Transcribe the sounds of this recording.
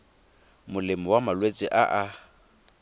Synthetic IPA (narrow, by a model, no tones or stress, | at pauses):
mʊlɪmɔwamalwet͡sʼɪʔaʔa